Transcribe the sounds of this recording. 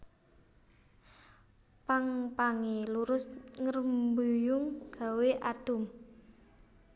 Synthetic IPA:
paŋpaŋeluɾʊsŋərəmbujʊŋɡ̥a̤weʔat̪ʊm

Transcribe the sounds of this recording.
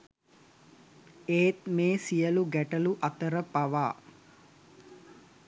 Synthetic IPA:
eːt̪meːsijəluɡæʈəluʔɐt̪əɾəpaʋaː

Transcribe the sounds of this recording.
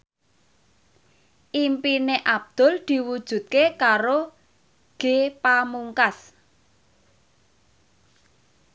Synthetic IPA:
ʔimpineʔab̥̚d̪̥ʊ̤ld̪̥i̤wud̥ʒ̥ṳt̪̚kekaɾo | ɡ̥e̤pamuŋkas

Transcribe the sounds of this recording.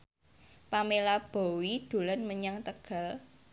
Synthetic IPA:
pamelab̥o̤wid̪̥o̤lanməɲaŋt̪əɡ̥a̤l

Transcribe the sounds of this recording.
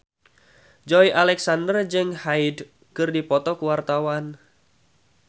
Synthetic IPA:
d͡ʒɔjʔalɛksandərd͡ʒɨŋhaid | kɨrdipɔt̪ɔkuwart̪awan

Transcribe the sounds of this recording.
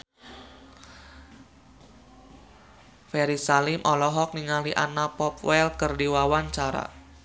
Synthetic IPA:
fɛɾisalɪmʔɔlɔɦɔk̚niŋaliʔanapɔp̚wɛlkərdiwawaɲt͡ʃaɾa̰

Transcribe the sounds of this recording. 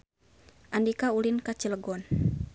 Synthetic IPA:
ʔandikaulinkat͡ʃiləɡɔn

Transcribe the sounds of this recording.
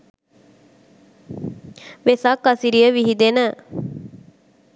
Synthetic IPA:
ʋesakːɐsiɾijəʋiɦid̪enə

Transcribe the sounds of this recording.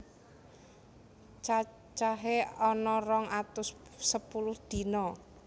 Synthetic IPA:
t͡ʃa | t͡ʃaɦeɔnɔrɔŋʔat̪ʊssəpulʊhd̪̥i̤nɔ

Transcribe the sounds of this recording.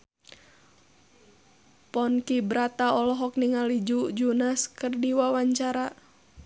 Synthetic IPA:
pɔnkibɾat̪aɔlɔɦɔk̚niŋalid͡ʒud͡ʒunaskərdiwawaɲt͡ʃaɾa

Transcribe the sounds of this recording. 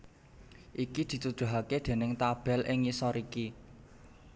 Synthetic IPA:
ʔikid̪̥i̤t̪ud̪̥ṳɦaked̪̥e̤nɪŋt̪ab̥ɛ̤lʔɪŋisɔɾiki

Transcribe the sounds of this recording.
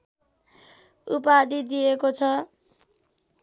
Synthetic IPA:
ṵpad̪id̪ijekot͡sʰʌ

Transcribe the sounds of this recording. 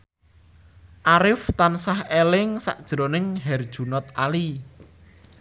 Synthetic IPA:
ʔaɾɪft̪ansahelɪŋsa̰ʔd̥ʒ̥ɾonɪŋɦɛrd̥ʒ̥ṳnɔt̪̚ʔali

